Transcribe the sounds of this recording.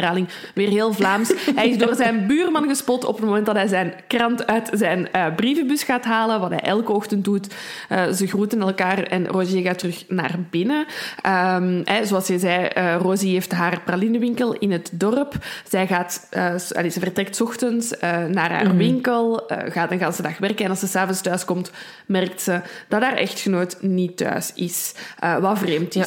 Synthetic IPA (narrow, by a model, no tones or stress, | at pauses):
aːlɪŋʋeːrɦeːlˠvlaːmsɦɛjɪzdoːrzɛnbyːrmɑnɣəspɔtɔ̰pətmomɛnt̚dɑtɦɛjzɛnkrɑntœːtzɛjnəbriːvəbysxaːtɦaːləʋɑtɦɛ̰jʔɛlˠkəɔxtəntdut | əːzəɣruːtənɛlˠkaːrɛ̰nroːzeɣaːtərɵxna̰ːrbɪnəʔəmɛzoɑlˠsəzɛjərozieːftɦaːrpralɪnəʋɪŋkəlˠɪnɦətdɔrpz̥ɛjɣaːtəːɑ̰lezəvərtrɛk̚tsɔxtənsənaːrɦa̰ːrʋɪŋkəlˠə̰ɣaːdɑnɣaːnzədɑxʋɛrkənɛnɑlˠsəsaːvənstœːskɔmt | mɛrk̚tsəd̥ɑdaːrʔɛ̰xtxənoːtnitœ̰ːsɪsʔəːʋɑvreːmtɪ